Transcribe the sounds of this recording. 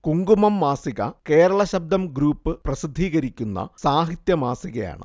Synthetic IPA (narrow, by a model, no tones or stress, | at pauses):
kuŋɡumɐmːaːsiɣɐ̰ke̞ːɾɐɭɐɕɐb̚d̪ɐmɡɾuːpːɨprɐsid̪ʱːiːɣɐɾikʲːunːɐ̰saːɦit̪jɐmaːsiɣɐja̰ːɳɨ̰